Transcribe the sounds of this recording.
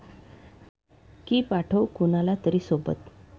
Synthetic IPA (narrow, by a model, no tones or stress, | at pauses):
kiːpaʈʰəwkunalat̪əɾiːsobə̰t̪